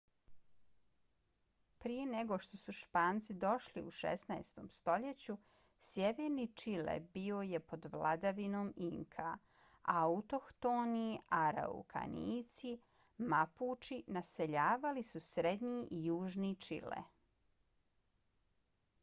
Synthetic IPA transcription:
pɾije̞neɡo̞ʃt̪o̞suʃpaːnt̪sid̪o̞ʃlḭuʃḛsnaest̪o̞mst̪o̞ʎet͡ɕu | sjeʋeːɾnit͡ʃilḛbio̞je̞po̞d̪ʋla̰d̪aʋinoːmiŋkʰa̰ | aut̪o̞kt̪oniaɾa̰ṵkʰa̰nḭːt̪si | mapuːt͡ʃinase̞ʎaːʋalisusɾed̪ɲiijuːʒnit͡ʃḭlḛ

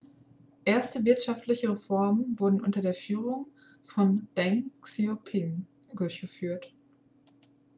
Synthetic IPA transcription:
ʔeːɐstəvɪɐtʃaftlɪçəʁefɔɐmənvʊɐdn̩ʔʊntɐdeːɐfyːʁʊŋ | fɔnd̥ɛŋksiopʰɪn | dʊɐçɡ̥əfyːɐt

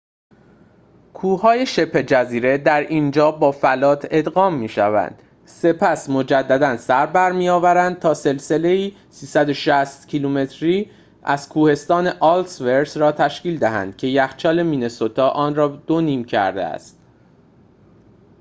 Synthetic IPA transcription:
kʰuːhɒːje̞ʃe̞pʰːe̞d͡ʒæziːɾe̞d̪æɾiːnd͡ʒɒːbɒːfælɒːt̪ʰe̞d̪ɣɒːmːiːʃævæ̰nd̪̥ | se̞pʰæsmod͡ʒæd̪ːæd̪ænsæɾbæɾmijɒːvæɾænd̪̚t̪ʰɒːse̞lse̞le̞iː | siːsæd̪o̞ʃæst̪cʰilume̞t̪ʰɾiː | ʔæz̥kʰuːhe̞st̪ɒːne̞ʔɒːlsveɾsɾɒːt̪ʰæʃkiːld̪æɦæ̰nd̪̥̚cʰe̞jæxt͡ʃʰɒːle̞miːne̞sot̪ʰɒːʔɒːnrɒːd̪̥o̞niːmcʰæ̰ɾd̪ḛæ̰st̪̚

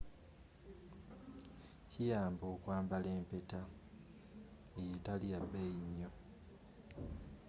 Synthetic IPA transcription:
cijaːmboːkwaːmbale̞ːmpe̞ta | ejetalijabeiɲːo

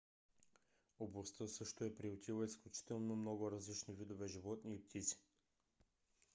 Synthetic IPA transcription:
oblˠɐst̪əsɤʃt̪oɛpɾiot̪ʲilˠəisklʲut͡ʃi̥t̪ɛlˠnomnɔɡʊɾɐzlit͡ʃnivid̪ovɛʒivɔt̪nip̚t̪ʰit̪si̥

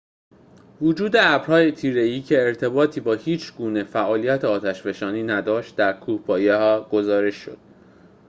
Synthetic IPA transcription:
vud͡ʒuːd̪e̞æbɾhɒːjet̪ʰiːɾe̞iːcʰe̞ːɾt̪ʰe̞bɒːt̪ʰiːbɒːhiːt͡ʃʰɡuːne̞fæʔɒːlijæt̪ʰeɒːt̪ʰæʃbe̞ʃɒːniːnæd̪ɒːʃt̪̚d̪æɾkʰuːhpʰɒːjehɒːɡ̥o̞zɒːɾe̞ʃːo̰d̪̥

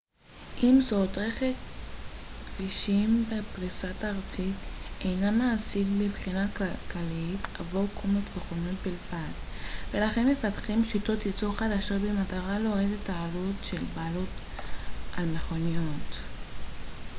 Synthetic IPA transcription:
ʔimzo̞tʁeχek | viʃimbepʁisataʁt͡sitejnamaːsiɡbibχinakakalita̰vokʰomatveχoniot̚bilvat | ve̞laχe̞nme̞fatχimʃito̞tjit͡soχadaʃo̞tbemataʁaloʁedetːaːlutʃelbaːlot | almeχonijot

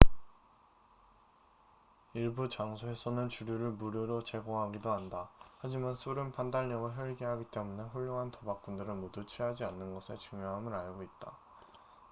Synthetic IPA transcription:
iɭbut͡ɕaŋsʰoe̞sʰʌnɯnt͡ɕuɾjuɾɯɭmuɾjoɾot͡ɕe̞ɡoɦaɡidoɦandahad͡ʑimansʰuɾɯnpandaɭɲʌɡɯɭɦjʌɭɡiɦaɡit͈e̞mune̞ɸuɭːoŋɦantʌbak͈̚undɯɾɯnmodut͡ɕʰɥiɦad͡ʑianːɯnɡʌsʰe̞t͡ɕuŋjoɦamɯɾaɭɡoit̚t͈a

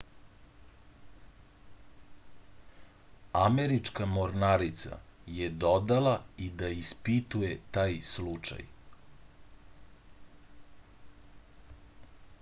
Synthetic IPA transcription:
ameɾit͡ʂkamoɾnaɾit̪sa̰jed̪od̪alaid̪aispit̪ujet̪aːjslut͡ʂa̰j

